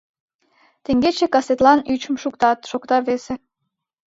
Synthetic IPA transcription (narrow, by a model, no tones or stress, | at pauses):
t̪eŋɡet͡ɕekɑset̪lɑnyt͡ɕə̆mʃukt̪ɑt̪ʃokt̪ɑβese